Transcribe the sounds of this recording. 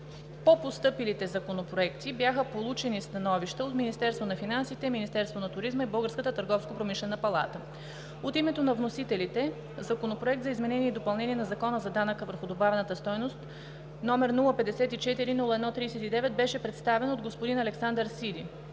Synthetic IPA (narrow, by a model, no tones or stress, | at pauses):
popost̪ɤpilit̪ɛzɐkonopɾoɛkt̪ibjaxəpolˠut͡ʃɛnist̪ɐnɔviʃt̪əot̪minist̪ɛɾst̪vonɐfinansit̪ɛminist̪ɛɾst̪vonɐt̪ʊɾizməibɤlˠɡəɾskət̪ət̪əɾɡɔfskopɾomiʃlɛnəpɐlˠa̰t̪ə | ot̪imɛt̪onɐvnosit̪ɛlit̪ɛ | zɐkonopɾoɛk̚t̪zɐizmɛnɛniɛid̪opɐlˠnɛniɛnɐzɐkɔnəzɐd̪anəkəvəɾxʊd̪obavɛnət̪əst̪ɔjnost̪ | nɔmɛɾnulˠəpɛd̪ɛsɛt̪it͡ʃɛt̪iɾinulˠəɛd̪nɔt̪ɾiːsɛt̪id̪ɛvɛt̪̚bɛʃɛpɾɛt̪st̪avɛnod̪ɡospod̪inɐlɛksand̪əɾsid̪i